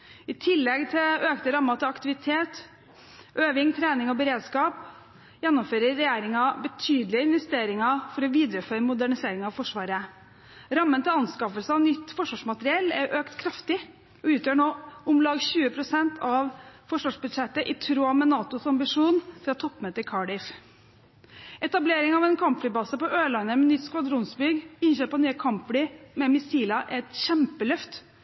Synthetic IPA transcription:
ɪt̪ʰɪlːɛɡt̪ʰɪløːkt̪əɾɑmːɑt̪ʰɪlɑkt̪ɪʋɪt̪ʰeːt̪ | ʔøːʋɪŋt̪ʰɾæːnɪŋɔbəɾeːd̪skɑːp | jɛnːɔmføːɾəːɛjeːɾɪŋɑbət̪ʰyːd̪lɪəɪnʋɛst̪eːɾɪŋɑfɔɾɔʋiːd̪ɾəføːɾəmʊd̪æɳɪseːɾɪŋɑʋfɔʂʋɑːɾə | ɾɑmːənt̪ɪlɑnskɑfəlsəɑʋnʏt̪ːfɔʂʋɑːʂmɑt̪əɾɪɛlːɛɾʔøːkt̪kʰɾɑft̪ɪ | ɔʉːt̪jøːɳoːʊmlɑːɡɕʉːəpʰɾʊsɛnt̪ʰɑʋfɔʂʋɑːʂbʉd̪ʂɛt̪ːəʔɪt̪ʰɾoːɑmɛnɑːt̪ʊsɑmbɪʂuːnfɾɑt̪ʰɔpːmɛːt̪əɾkʰɑɖɪf | ɛt̪ɑbleːɾɪŋɑʋɛnkʰɑmpfɽiːbɑːsəpɔʔøːlɑnːəmɛnʏt̪skʋɑd̪ɾʊnsbʏɡɪnɕøːpɑnyːəkʰɑmpflɪmɛmɪsiːlɑʔɛɛt̪çɛmpəlœft̪

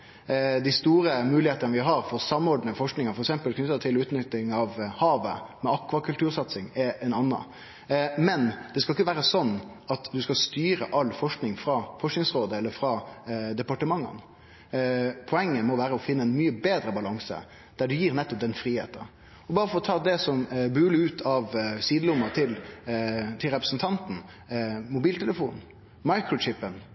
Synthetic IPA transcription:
d̪ɪst̪uːɾəmʉːlɪheːt̪ənəʋɪɦɑɾfɔɾsɑmɔɾɖnəfɔʂknɪŋɑfɔɾɛksɛmpəlkʰnʏt̪ːət̪ʰɪlʉːt̪nʏt̪ːɪŋɑʋhɑːʋə̰mɛɑkːʋɑkʰʉlt̪ʉːɾsɑt̪sɪŋɛɛnɑnːɑ̰ | mɛnd̪̥ɛskɑlɪkːəʋæːɾəsɔnː | ɑt̪d̪ʉskɑst̪yːɾə̰ʔɑlːfɔʂknɪŋfɾɑfɔʂknɪŋsʁoːd̪əɛlːəɾfɾɑd̪ɛpɑʈəmɑŋːɑ̰n | pʰɔɛŋːəmɔʋæːɾəɔfɪnːəɛnmyːəbeːd̪ɾəbɑlɑŋsə̰ | d̪̥æɖʉjiːɾnɛt̪ːɔp̚d̪ɛnfɾiːhḛːt̪ə | ɔbɑːɾəfɔɾɔt̪ʰɑːd̪ɛsɔmbʉːləʉːt̪ʰɑʋsiːd̪əlʊmɑt̪ʰɪl | t̪ʰɪlɾɛpɾəsn̩t̪ʰɑnt̪n̩ | mʊbiːlt̪ʰɛləfuːnn̩ | mɑɪkɾʊt͡ʃɪpːən

